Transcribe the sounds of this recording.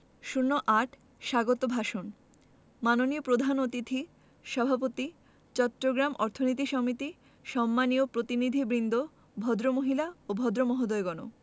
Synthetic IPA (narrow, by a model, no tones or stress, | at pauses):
ʃuɾnːoʔaʈʰ | ʃaɡot̪obʱaʃon | manoniopɾod̪ʱanot̪it̪ʰi | ʃɔbʱapot̪i | t͡ɕɔt̪ːɾoɡɾamɔ̰ɾt̪ʰonit̪̬iʃɔmit̪i | ʃɔmːaniopɾot̪inid̪ʱibɾind̪ʱo | bʱɔd̪ɾomoɦilaobʱɔd̪ɾomɔɦod̪oeɡɔno̰